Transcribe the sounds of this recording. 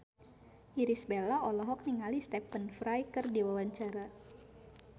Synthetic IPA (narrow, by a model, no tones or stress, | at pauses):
iɾisbelaɔlɔɦɔk̚niŋalist̪ɛpənfɾajkərdiwawaɲt͡ʃaɾa